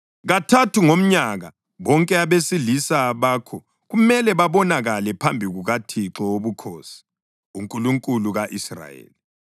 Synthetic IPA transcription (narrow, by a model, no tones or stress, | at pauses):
ɣatʰatʰuŋom̩ɲaɣa | βɔŋkʼɛaβesilisaβaːkʰɔ | ɣumɛlɛβaβɔnaɣalɛpʰambʱiɣuɣatʰiǁɔoβukʰoːsi̥ | uŋkʼuluŋkʼuluɣaʔisra̰jḛːli